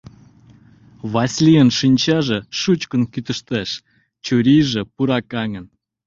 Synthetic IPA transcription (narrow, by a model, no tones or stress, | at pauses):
βɑsʲlʲiənʃinʲt͡ɕɑʒĕʃut͡ɕkə̆nkyt̪ə̆ʃt̪eʃ | t͡ɕuɾʲiʒĕpuɾɑkɑŋə̆n